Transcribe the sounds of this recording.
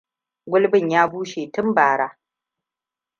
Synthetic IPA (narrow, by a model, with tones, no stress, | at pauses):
ɡʷʊ˦lbɪ˦˨ɲjaː˦buː˦ʃeː˨tʊ˦mbaː˨ɽaː˦